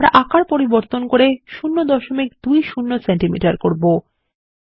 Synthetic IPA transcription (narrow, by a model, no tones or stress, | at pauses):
ɾa̰ʔakaɾpoɾiboɾt̪onkoɾeʃunːod̪ɔʃomikd̪̥ujʃunːosenʈimḭʈaɾkoɾbo